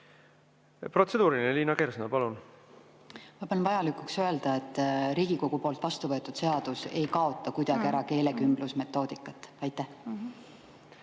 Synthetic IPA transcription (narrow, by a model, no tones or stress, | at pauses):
pro̞t̪se̞d̪uːɾineliːnɑkeɾsnɑpɑlun | mɑpːˑɑnvɑjɑlikˑuksøe̞ld̪̥ɑe̞t̪ːɾiːɡ̥iko̞ɡ̥upo̞ːlt̪ˑvɑst̪uvɤ̞et̪ːˑud̪̥se̞ɑd̪̥use̞jkɑo̞t̪ˑːɑkujd̪ɑɡ̥iæɾɑke̞ːle̞kymblusme̞t̪ːˑo̞ːd̪̥ikːˑɑt̪ːˑɑjt̪ːˑæh